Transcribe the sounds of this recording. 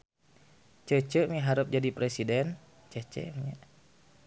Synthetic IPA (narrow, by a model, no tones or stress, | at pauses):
t͡ʃət͡ʃəmiɦaɾup̚d͡ʒadipɾɛsidɛn | t͡ʃət͡ʃə̰ʔmiɲa